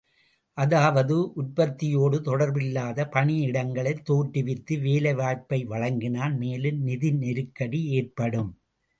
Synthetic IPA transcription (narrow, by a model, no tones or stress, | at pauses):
ʔɐðaːʋɐðɯʔʊrpɐt̪ːɪjoːɽɯt̪ɔɽɐɾbɪlːaːðɐpɐɳɪɪɽɐŋɡɐɭɐɪt̪ːoːʈːɪʋɪt̪ːɯʋeːlɐɪʋaːɻpɐɪʋɐɻɐŋɡɪnaːnmeːlɯmnɪðɪnnɛɾɯkːɐɽieːrpɐɽɯm